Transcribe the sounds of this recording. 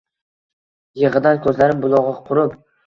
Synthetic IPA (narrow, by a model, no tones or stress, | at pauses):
jeʁɨd̪ankʰʲɵzlaɾɪmbʊlˠɒʁɑqʰʊɾɪp